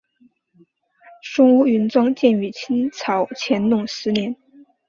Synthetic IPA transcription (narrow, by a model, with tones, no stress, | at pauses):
ʂʊ˥ŋu˥y˧˥nt͡swɑ˥ŋt͡ɕjɛ˥˩ny˧˩t͡ɕʰi˥nt͡sʰɑ˧˥ʊt͡ɕʰjɛ˧˥nnʊ˥˩ŋʂɻ̩˧˥njɛ˧˥n